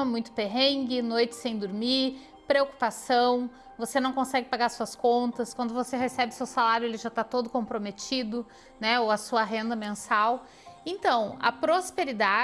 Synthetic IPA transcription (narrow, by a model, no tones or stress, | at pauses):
ɐmũj̃t̪ʊ̥peɦẽŋɡɪnojt͡ʃɪ̥sẽj̃d̪oɾmiɾ | pɾeoku̥pasɐ̃w̃ | vosenɐ̃w̃kõsɛɡɪpaɡaɾɐsuɐskõnt̪ɐskwɐ̃nd̪ʊvoseɦesɛbɪʊsewsalaɾjʊelɪʒat̪at̪od̪ʊkõpɾomet͡ʃid̪ʊ | nɛowɐsuɐɦẽnd̪ɐmẽsaw | ẽnt̪ɐ̃w̃ɐ̰pɾospeɾid̪a